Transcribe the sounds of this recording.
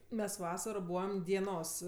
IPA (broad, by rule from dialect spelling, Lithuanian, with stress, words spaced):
mʲɛs ˈʋɑːsɐroː ˈbuːʋɐm dʲiɛˈnoːs